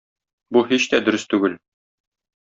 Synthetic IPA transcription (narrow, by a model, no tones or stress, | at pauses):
buhiɕt̪æd̪ɵ̆ɾɘst̪ʉɡɘl